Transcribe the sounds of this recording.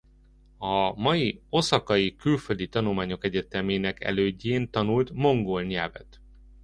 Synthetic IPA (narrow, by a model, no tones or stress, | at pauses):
ɒmɒjio̞sɒkɒjikylføld̪it̪ɒnulmaːɲo̞kɛɟɛt̪ɛmeːnɛkɛ̰løːɟːeːnt̪ɒnult̪mo̞ŋɡolɲɛlvɛ̰t̪